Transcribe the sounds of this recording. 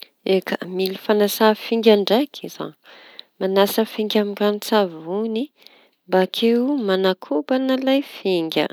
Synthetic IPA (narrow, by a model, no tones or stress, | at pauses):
ekəmilifanasafiŋɡʲaɳɖ͡ʐajkʰiz̥a̰ | manasəfiŋɡʲamikanit͡savuni | mbakʰewmanakʰubanalajfiŋɡʲə̰